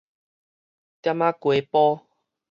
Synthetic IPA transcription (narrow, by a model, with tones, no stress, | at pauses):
t̪ja˦mã˦kwe˨pɔ˦